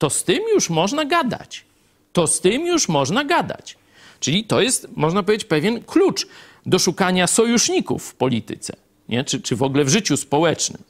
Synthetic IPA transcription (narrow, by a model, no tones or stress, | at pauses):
t̪ɔst̪ɘmjuʂmɔʐnaɡad̪a̰t͡ɕ | t̪ɔst̪ɘmjuʂmɔʐnaɡad̪a̰t͡ɕ | t͡ʂɘlʲit̪ɔjɛst̪mɔʐnap̬ɔvʲed͡ʑet͡ɕʲpɛvʲjɛnklut͡ʂ | d̪ɔʂukaɲasɔjuʂɲikṵfːpɔlʲit̪ɘ̰t̪sɛ̰ | ɲɛt͡ʂɘt͡ʂɘvɔɡlɛvʐɘt͡ɕuspɔwɛt͡ʂnɘ̰m